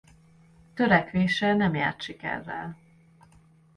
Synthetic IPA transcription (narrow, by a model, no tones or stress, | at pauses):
t̪ø̞ɾɛkʋeːʃɛlnɛmja̰ːrt̪ʃikɛ̰rːɛ̰l